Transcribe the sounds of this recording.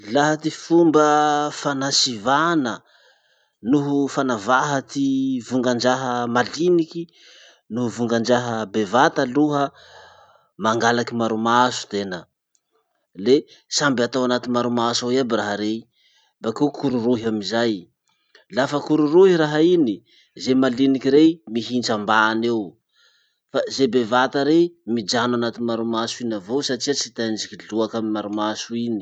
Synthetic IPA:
laɦat̪ifumbəfanasivanə | nuɦufanavaɦat̪ivuŋɡand͡ʒaɦəmaliniki | nuɦvuŋɡand͡ʒaɦəbevat̪aluɦə | maŋɡalakimaɾumasu̥t̪enə | lesambat̪awanat̪inmaɾumasawiabiraɦəɾe | bakekʰuɾuɾuɦamizaj | lafəkuɾuɾuɦiɾaɦaini | zemalinikiɾemiɦinʈ͡ʂambaːnew | fazebevat̪aɾemid͡ʒanwanat̪inmaɾumasuinavowsaʈ͡ʂiat͡sit̪and͡ʒikiɮuakamimaɾumasuini̥

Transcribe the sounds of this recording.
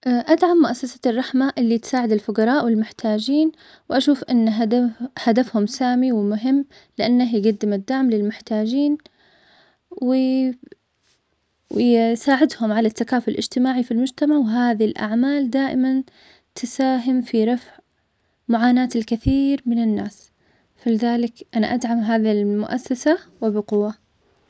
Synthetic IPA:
ʔaʔad̪ʕamːʊʔasːasḁrˤːɑħmaʔɪlːit̪saːʕɪd̪alfʊqɑɾˤɑːʔwɪlmʊħt̪ʰaːd͡ʒiːn | wʔaʃuːfʔɪnː | had̪afhʊmsaːmiwɪmʊɦɪmː | lɪʔanːaɦɡad̪ːɪmad̪aʕmlɪlmʊħt̪aːd͡ʒiːn | wɪ | saːʕɪd̪hʊmʕalat̪ːakaːfɪlʔɪ̰d͡ʒt̪ɪmaːʕifilmʊd͡ʒt̪amaʕwɪɦaːðilʔa̰ʕmaːld̪aːʔɪman | t̪ɪsaːɦɪmfiɾˤɑfʕ | mʊʕaːnaːt̪ɪlkɪθiːɾmɪnɪnːaːs | falɪðaːlɪkʔana̰ʔad̪ʕamɦaːðilmʊʔasːasawɪbɪqʊwːa

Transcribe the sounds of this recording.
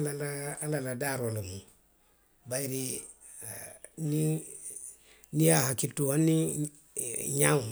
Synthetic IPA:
lalaːlaladaɾolamu | baiɾi | ni | nijahakituwani | ɲa

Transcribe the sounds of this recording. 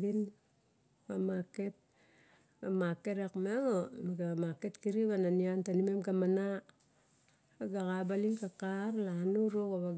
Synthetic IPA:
ɡin | amaket̚ | ɡamakeɾekmeŋomɡamaketkiɾiβananiantanimemɡamana | aɡakabaliŋkakarlanuɾokaβa

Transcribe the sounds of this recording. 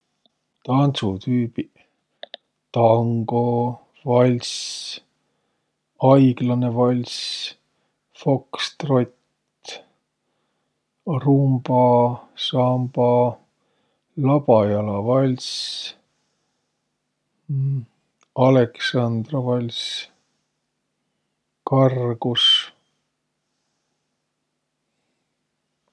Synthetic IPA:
t̪ɑnsut̪yːpi | t̪ɑŋɡ̥o | vɑlʲs | ɑjɡ̥lɑnevɑlʲsʲ | fo̞kst̪rot̪ | rumb̥ɑsɑmbɑ | lɑb̥ɑjɑlɑvɑlʲs | ɑleksɑnd̪rovɑlʲsʲ | kɑrɡ̥us

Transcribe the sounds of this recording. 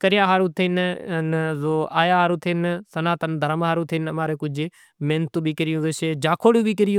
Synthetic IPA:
kəɾɪjaːɦaːɾuːt̪ʰɪnnzoːaːjaːɦaːɾuːt̪ʰɪnsɐnaːt̪ənd̪ʱəɾmɦaːɾuːt̪ʰɪnɐmãːɾeːkʊd͡ʒʱɪ | meːnt̪ũːɓiːkəɾɪjũːzoːʃeːd͡ʒaːkʰoːɽjũːɓiːkəɾɪjũː

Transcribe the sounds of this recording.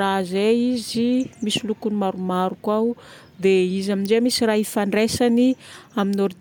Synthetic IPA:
azeizimisilukunimaɾumaɾukaw | d̪eizaminzemisiraːɦifaɳɖ͡ʐesaniaminoɾi

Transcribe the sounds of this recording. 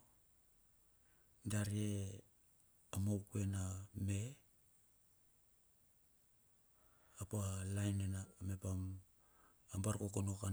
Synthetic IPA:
daɾie | amowkue̞name̞ | apalajnename̞pam | ambaɾkokono̞ka

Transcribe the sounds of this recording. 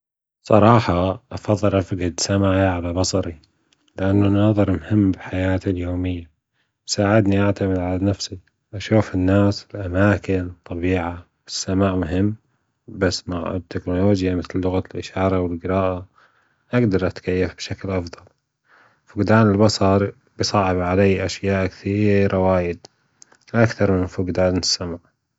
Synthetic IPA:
sˤɑ̰ɾˤɑːħɑʔɑfɑðˤːɨlʔafɡɪd̪samaʕjʕalabɑsˤɑɾi | lɪʔanːanɑːðˤɨɾˤmhɪmːbɪħajaːt̪iljoːmɪjːa | bsaːʕɪd̪niʔaʕt̪amɪd̪ʕalanafsi | ʔaʃuːfɪnːaːsɪlʔamaːkɪnt̪ˤːɑbiːʕa | wɪsːamaːʕmʊɦɪmː | basːmaʕɪt̪ʰːɪknoloːd͡ʒjamɪθlːʊɣalʔɪʃɑːɾˤɑwɪlɡɪɾɑːʔa | ʔaɡd̪ɑɾˤʔat̪kajːafbʃaklʔɑfðˤɑl | fʊɡd̪aːnɪlbɑsˤɑɾˤ | bɪsˤɑːʕɪbʕalajːʔaʃjaːʔkθiːɾawaːjɪd̪ | lʔakθɑɾˤmɪnfʊɡd̪aːnɪsːamaʕ

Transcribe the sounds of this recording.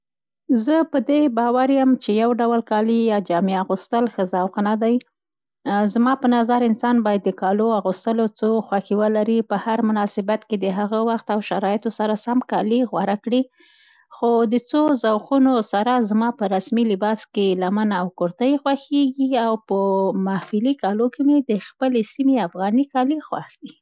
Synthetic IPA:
zəpəd̪ebɑwaɾjəmt͡ʃejawɖawlkɑlijɑd͡ʒɑmeaɣust̪əlxəzawqnad̪aj | zmɑpənazaɾɪnsɑnbɑjad̪ːəkɑloaɣust̪əlot͡soxwaxiwəlaɾipəhaɾmʊnɑsɪbat̪ked̪əɦaɣawaxt̪awʃaɾɑjɪt̪osaɾasamkɑliɣwaɾakɽi | xod̪ət͡sozawqunosaɾazmɑpəɾasmilɪbɑskelamanawkoɾt̪ajxwaxeɡiawpəmahfɪlikɑlokemed̪əxpəlesimeafɣɑnikɑlixwa̰xd̪i

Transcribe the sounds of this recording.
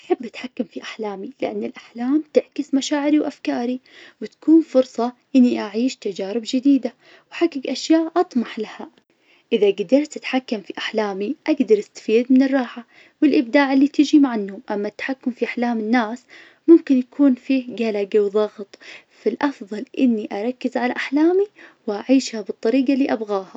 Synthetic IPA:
ʔaħɪbːʔat̪ħakːamfiʔaħlaːmilɪʔa̰nːɪlʔaħlaːmt̪ɪʕkɪsmaʃaːʕɪɾiwʔafkaːɾi | wɪt̪ḁkuːnfʊɾsˤɑʔɪnːiʔaʕiːʃt̪ad͡ʒaːɾɪbd͡ʒɪd̪iːd̪a | wħaɡaɡʔaʃjaːʔʔɑt̪ˤmɑħlaha | ʔɪðaɡad̪ɑɾˤt̪ʔat̪ħakːamfiʔaħlaːmiʔaɡd̪ɑɾˤʔast̪ḁfiːd̪mɪnɪrˤːɑːħa | wɪlʔɪbd̪aːʕɪlːiːt̪ɪd͡ʒimaʕanːhʊmʔamːat̪ːḁħakːʊmfiʔaħlaːmɪnːaːs | mʊmkɪnjakʰuːnfiːɡalaɡawðˤɑɣt̪ˤ | falʔɑfðˤɑlʔɪnːiʔaɾˤɑkːɪzʕalaʔaħlaːmiwʔaʕiːʃhabɨt̪ˤːɑɾiːɡalːiːʔabɣaːha

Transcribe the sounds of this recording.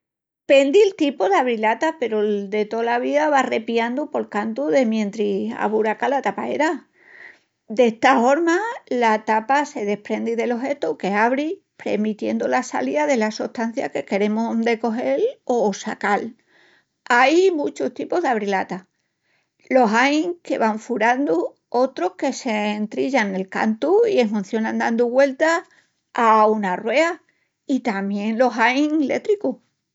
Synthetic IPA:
pe̞nd̪ilt̪ipoðaβɾilat̪ape̞ɾod̪e̞t̪o̞laβiðaβare̞piand̪upo̞lkant̪uðe̞mjẽnt̪ɾia̰βuɾakalat̪apae̞̰ɾa | d̪est̪afo̞ɾmalat̪apase̞ð̞e̞hpɾe̞nd̪iðe̞lo̞ɦe̞t̪oke̞aβɾi | pɾe̞̰mit̪je̞̰nd̪olasa̰liaðe̞lasuht̪an̟θja̰ke̞ke̞ɾe̞mod̪e̞ko̞ɦe̞losa̰kal | ajmut͡ʃoht̪ipoɦðaβ̞ɾilat̪a | lo̞ɦajŋke̞̰βaɱfuɾand̪u | o̞t̪ɾo̞hke̞se̞ːnt̪ɾiʎane̞lka̰nt̪uie̞ɦmũnθjo̞nãnd̪and̪uɣwe̞lt̪a | aunarwe̞a | it̪amje̞ŋlo̞ɦajŋle̞̰t̪ɾiku

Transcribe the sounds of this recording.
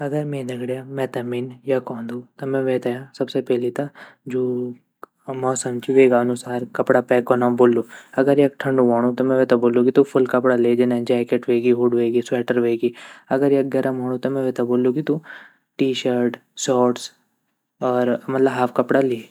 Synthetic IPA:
ɐɡəɾmɛ̃nɐɡɽjamɛːt̪ɐminjakɔ̃ːnd̪ut̪omɛ̃ʋeːt̪ajãsɐbsepɛːlit̪ad͡ʒoː | mɔːsɐmt͡ʃiʋeːɡaɐnusaːɾkɐpɽapɛːkonaboːlːuːɐɡəɾjekʈʰɐ̃ɳɖuɦɔːɽ̃ut̪omɛ̃ʋeːt̪aboːlːukit̪upʰʊlkɐpɽaleːd͡ʒɪnad͡ʒɛːkeʈʋeːɡiɦʊɽʋeːɡiswɛːʈəɾʋeːɡiɐɡəɾjeɡɐɾʔəmɦoːɽ̃ũt̪omɛ̃ʋeːt̪aboːlːũkit̪u | ʈiːʃəɾʈsɔːʈs | ɔːɾmɐt̪ləbɦaːpʰkɐpɽale

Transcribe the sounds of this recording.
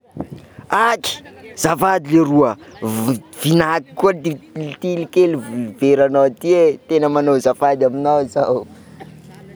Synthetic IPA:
aʈ͡ʂi̥z̥afad̪ileɾuə | v̥inaki̥kuailt̪ilikeluveɾanawat̪iet̪enəmanowzafad̪aminawzaw

